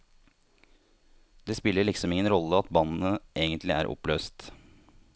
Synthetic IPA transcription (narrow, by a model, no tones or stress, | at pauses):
d̪̥eːspɪlːəɭɪksɔmɪŋənɾɔlːəɑt̪bɑnn̩əʔeːɡənt̪lɪʔæ̰ːɾʔɔ̰pløːst̪